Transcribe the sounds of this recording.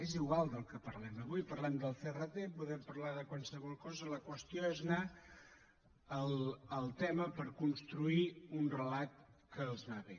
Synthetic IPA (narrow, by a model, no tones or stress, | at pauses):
eziɣwalˠd̪əlˠkəpəɾlɛməβujpəɾlɛmd̪əlˠθerət̪epuðɛmpəɾlaðəkwansəβɔlˠkɔzələkwəst̪joezna | əlˠəlˠt̪ɛməpəɾkunst̪ɾuiunrəlat̪̚kəːlˠznaβe